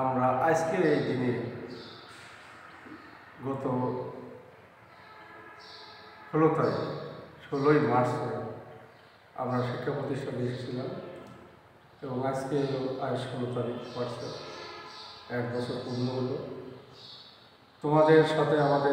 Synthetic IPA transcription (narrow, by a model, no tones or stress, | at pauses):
amɾaʔaskeejd̪ini | ɡɔt̪o | ʃolot̪aɾiʃolojmaɾsoɾ | a̰mɾaʃikʰːapɾot̪iʃʈʰad̪eʃt͡ɕʰilam | eboŋad͡ʑkeɦeloaɾʃolot̪aɾipaɾt͡ɕʰe | ɛkb̪ɔsʰoɾpunːoɦolo | t̪omad̪eɾʃat̪ʰeamad̪e